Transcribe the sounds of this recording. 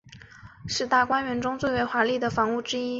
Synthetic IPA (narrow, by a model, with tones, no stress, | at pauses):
ʂɻ̩˥˧t̪a˥˩kwa˥nɥɛ˧˥nʈ͡ʂʊ˥ŋt͡swe˥˩ɪwe˧˥ɪxwa˧˥li˥˩d̪ə˩fɑ˧˥ŋu˥˩ʈ͡ʂɻ̩˥i˥